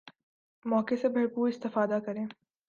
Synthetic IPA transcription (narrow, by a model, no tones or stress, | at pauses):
mɔːkesebʱɐɾpuːɾɪst̪ɪfaːd̪akɐɾẽː